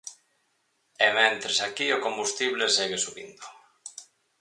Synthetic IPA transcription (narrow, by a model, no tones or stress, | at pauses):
emẽnt̪ɾesakiokombust̪iβleseɣesuβḭnd̪o